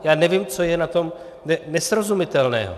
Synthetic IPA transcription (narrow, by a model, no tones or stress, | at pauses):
jaːnɛvɪmt͡sojɛnat̪o̞m | nɛnɛsɾozumɪt̪ɛlnɛ̰ːɦo̰